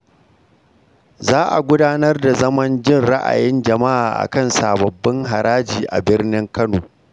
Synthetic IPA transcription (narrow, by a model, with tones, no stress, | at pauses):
zaː˦ʔa̰˨ɡʷʊ˦daː˦nɐ˦rda˨zɐ˦mɐ˦nd͡ʒɪ˦˨nɽa˦ʔa̰˨jɪ˦nd͡ʒɐ˨ma˦ʔa̰ː˨ʔa̰˨kɐ˦˨nsaː˨bɐ˨bːɐ˦ŋɦa˨ɾaː˦d͡ʒiː˨ʔa̰˨bɪ˦rnɪ˦ŋkɐ˦noː˨